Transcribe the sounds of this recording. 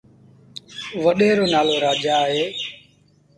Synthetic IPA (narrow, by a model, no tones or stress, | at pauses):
ʋəɗeːɾoːnaːloːɾaːd͡ʒaːɦeː